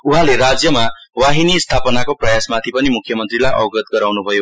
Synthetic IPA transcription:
uɦãleɾad͡zjʌmawaɦinist̪ʰapʌnakoprʌjasmat̪ʰipʌnimukʰːjʌmʌnt̪rilajʔʌ̰wɡʌt̪ɡʌɾawnubʱʌjo

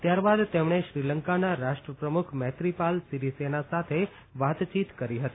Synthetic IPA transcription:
t̪jaɾbad̪t̪emɽ̃eʃɾiləŋkanaɾaʃʈɾəpɾəmukʰmɛt̪ɾipalsiɾisenasat̪ʰe | ʋat̪t͡ʃit̪kəɾiɦət̪i̥

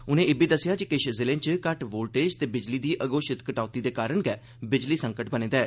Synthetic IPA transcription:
ʊnẽːɪːbiːd̪əsːɪjaːd͡ʒikɪʃzɪlẽːnt͡ʃkəʈboːlʈeːd͡ʒt̪eːbɪd͡ʒliːd̪iːʔəɡoːʃɪt̪kəʈaːt̪iːd̪eːkaːɾəɳkɛː | bɪd͡ʒliːsəŋkəʈbənẽːd̪aɛː

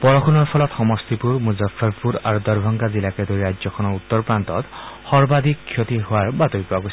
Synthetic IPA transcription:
pɔɹɔkʰunɔɹpʰɔlɔt̪xɔmɔst̪ipuɹmuzafʰːɔɹpuɾaɹud̪ɔɹbʱɔŋɡazilakɛd̪oɹiɾaɔkʰɔnɔut̪ːɔɹpɹant̪ɔt̪xɔɹbad̪ikʰːjot̪iɦʊwaɹbat̪oɾipɔaɡojs

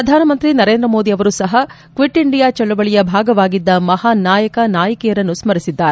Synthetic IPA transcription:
ɾɐd̪ʱaːnɐmɐnt̪ɾinɐɾeːnd̪ɾɐmoːd̪iɐʋɐɾusɐɦɐ | kʋiʈːiɳɖijaːt͡ʃɐɭːubɐɭijɐbʱaːɡɐʋaːɡid̪ːɐmɐɦaːnaːjɐkɐnaːjɐkɛjɐɾɐnːusmɐɾisid̪ːaːɾe

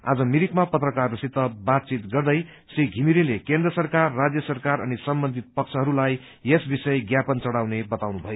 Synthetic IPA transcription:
a̰d͡zʌmiɾikmapʌt̪rʌkarrʌsit̪ːʌbat̪̚t͡sit̪ɡʌrd̪ʌj | sriɡʱimiɾilekend̪rʌsʌrkarːad͡zjʌsʌrkaɾʌnisʌmbʌnd̪ʱit̪̚pʌk̚t͡sʰʌɦʌɾulaj | esbisʌjɡjapʌnt͡sʌɽawnebʌt̪awnubʱʌjo

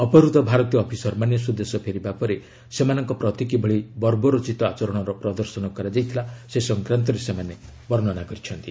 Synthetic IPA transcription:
ɔpɔɾut̪ɔbʱaɾɔt̪ijɔːpʰisɔɾmanjɔsud̪esɔpʰeɾibapɔɾe | semanɔŋkɔpɾɔt̪ikibʱɔɭibɔɾbɔɾot͡ʃit̪ɔat͡ʃɔɾɔɽ̃ɔɾɔpɾɔd̪ɔɾsɔnɔkɔɾad͡ʒajt̪ʰilasesɔŋkɾant̪̬ɔɾesemane | bɔɾnɔnakɔɾit͡ʃʰɔnt̪i

